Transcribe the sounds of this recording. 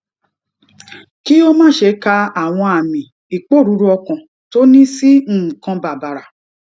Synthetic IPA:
ki˦o˦mãː˦˨ʃe˧˦ka˧a˨w̃ɔ̃˧a˨mĩ˨ | i˨k͡po˦˨ɾu˨˦ɾu˧ɔ˧kã˨ | to˦nĩ˦si˦m̩˦˨kã˧ba˨ba˨ɾa˨

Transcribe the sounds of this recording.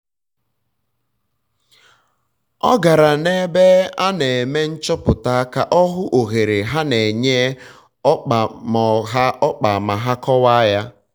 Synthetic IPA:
ɔ̰˦ɡa˨ɾa˨ne˦be˦a˦ne˨me˦n̩˦t͡ʃɔ˦pʊ˨ta˦ka˦ʔɔ˦ɦʊ˦ʔo˨ɣe˨ɾe˨ɦa˦ne˨ɲe˦ | ɔ˦k͡pa˨mɔ˨ɦa˦ɔ˦k͡pa˨ma˨ɦa˦kɔ˦wa˦ja˦

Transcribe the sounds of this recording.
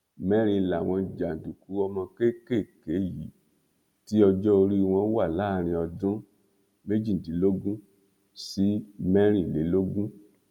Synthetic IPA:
mɛ˦ɾ̃ĩ˧˨la˨w̃ɔ̃˧˨d͡ʒa˨n̩˨du˨ku˨˦ɔ˧mɔ̃˧ke˦ke˦˨ke˨˦ji˨˦ | ti˦ɔ˧d͡ʒɔ˦o˧ɾi˦˧w̃ɔ̃˧˦wa˦˨la˨˦˨ɾ̃ĩ˧ɔ˧dũ˦ | me˦d͡ʒi˦˨n̩˨di˨˦lo˦ɡũ˦ | si˦mɛ˦ɾ̃ĩ˦˨le˨˦lo˦ɡũ˦

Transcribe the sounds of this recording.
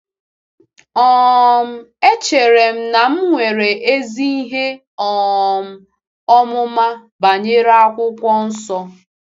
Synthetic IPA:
ɔ˨m̩˦e˦t͡ʃe˨ɾe˨m̩˦na˨m̩˦ŋʷe˨ɾe˨ʔe˦zi˦i˦ɦe˦ | ɔ˨m̩˨ | ɔ˦mʊ˦ma˦ | ba˨ɲe˦ɾa˦kʷʊ˦kʷɔ˦n̩˦sɔ˦

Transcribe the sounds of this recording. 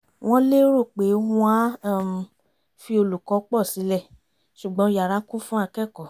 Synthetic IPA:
w̃ʔɔ̃˦le˦ɾo˦˨k͡pe˨˦hũ˧a˦˨ | fi˧o˧lu˨kɔ˨˦k͡pɔ˦˨si˨˦lɛ˦˨ | ʃu˨ɡ͡bɔ̃˨˦˧ja˨ɾa˨˦kũ˦fũ˦a˧kɛ˦˨kɔ˨

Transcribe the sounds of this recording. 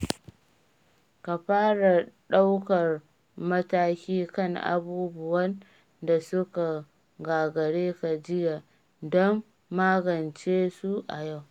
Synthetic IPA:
ka˨ɸaː˦ɽa˨ɗa˦wkɐ˨r | mɐ˦taː˦kʲiː˦kɐ˦˨ŋʔa̰˨buː˦bʊ˦wɐ˦n | da˨sʊ˦ka˨ | ɡaː˨ɡɐ˨ɽeː˦ka˨d͡ʒɪ˦ja˨ | dɔ˦mː | aː˦ɡɐ˨nt͡ʃeː˦su˦ʔa˨ja˦˨w

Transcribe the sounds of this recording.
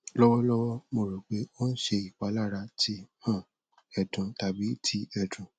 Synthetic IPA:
lɔ˦wɔ˦lɔ˦wɔ˦mo˧˨ɾo˨k͡pe˨˦o˦n̩˦ʃe˧i˨k͡pa˨˦la˦˨ɾa˧tʰi˨˦hã˦˨ | ɛ˨dũ˨ta˨bi˨˦tʰi˧˦ɛ˨dũ˨

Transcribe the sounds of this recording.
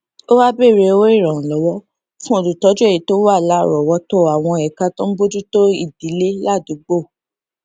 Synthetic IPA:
o˦wa˦be˦˨ɾe˧o˧we˦i˦˨ɾ̃ã˨lɔ˨˦wɔ˦ | fũ˦o˦˨lu˨tɔ˨˦d͡ʒu˦e˦˨i˨˦to˦wa˦˨la˨˦˨ɾɔ˨wɔ˨˦to˦˨a˨w̃ɔ̃˧ɛ˨ka˦tõ˦bo˦d͡ʒu˦to˦i˦˨di˨˦le˦la˦˨du˨˦ɡ͡bo˦˨

